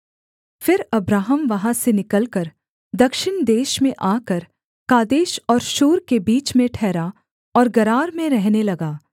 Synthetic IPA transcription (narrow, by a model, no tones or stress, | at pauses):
fɪɾɐbɾaːɦəmʋɐɦãsenɪkəlkəɾ | d̪ɐkʃɪnd̪eːʃmẽʔaːkəɾ | kaːd̪eːʃɔːɾʃuːɾkebiːt͡ʃmẽʈʰɛːɾa | ɔːɾɡɐɾaːɾmẽɾɛɦnelɐɡaː